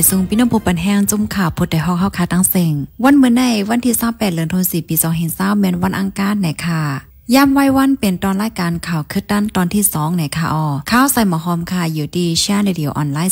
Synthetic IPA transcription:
su˧˨ŋpiː˧˨no˧˥˨pʰuː˧˩pa˧˨nɦɛː˧˨ŋt͡ɕu˧˨mkʰaː˧˩wpʰu˧t̪̚da˧˩ɦɔː˧˩kʰa˧˩wkʰaː˧˩t̪aː˧˩ŋse˧˩ŋwa˧˥˨nmɯː˧˥˨na˧˥˨jwa˧˥˨nt̪ʰiː˧saː˧˩˨wpɛː˨˩t̪̚lɯː˧˦˨nt̪ʰoː˧˨siː˨˩piː˨˦sɔː˨˦ŋhe˧˩˨ŋsaː˧˥˨wmɛː˧˥˨nwa˧˥˨nʔa˧˨ŋkaː˧˥˩t̪̚na˧˩jkʰaː˧˩ | jaː˧˨mwa˧˥˨jwa˧˥˨npe˨nt̪ɔː˧˨nlaː˧˨jkaː˨nkʰaː˧˩wkʰɯ˧˥˨t̪ːa˧˥˨nt̪ɔː˧˨nt̪ʰiː˧˩sɔː˨˦ŋna˧˩jkʰaː˧˩ʔɔː˧˩kʰaː˧˥˨wsa˧˩jmɔ˧ɦɔː˧˨mkʰaː˧˩juː˧˩t̪ʰiː˧si˧a˧˨na˧di˧˨ʔɔ̰ː˨˧˨nlaː˧˨j

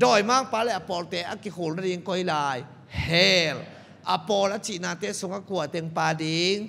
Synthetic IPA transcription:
dɔː˧˩jmaː˧˥˩k̚paː˧lɛ˧˩ʔa˧pɔː˧lt̪ɛː˨˦ʔa˧˨ki˧˦kʰoː˨na˧˩˨e˧˦ŋkɔ˧˨jlaː˧j | hɛː˧˩l | ʔa˧pɔː˧la˧˥t̪ʰi˧˨naː˧t̪ɛ˧˦so˧˦ŋa˧˦ku˧˨a˨t̪e˧ŋpaː˧de˧˦ŋ

